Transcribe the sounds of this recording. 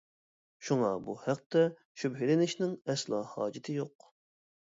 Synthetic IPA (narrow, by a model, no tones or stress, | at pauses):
ʃuŋɑbṵhæq̚t̪ɛ | ʃybɦilɪnɪʃnɪŋɛslˠɑːhɑːd͡ʒɪt̪ʰɪjoq̚